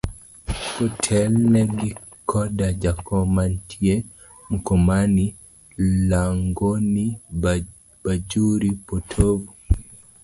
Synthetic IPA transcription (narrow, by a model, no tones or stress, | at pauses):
hɔtʰɛlnɛɡi | kʰɔdad͡ʒakɔmantʰie | mukɔmani | laŋɡoni | b̥ad͡ʒuɾipotʰovu